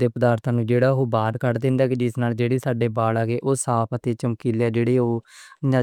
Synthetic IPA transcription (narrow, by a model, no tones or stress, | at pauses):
d̪eːpəd̪aːɾt̪ʰãːnũːd͡ʒeːɽaːoːbaːɾkəɾd̪ẽːnd̪aːkid͡ʒɪsnaːld͡ʒeːɽeːsaːɖeːbaːlaːɡeːʔoːsaːpʰət̪eːt͡ʃəmkiːlːɛːd͡ʒeːɽeːoːãː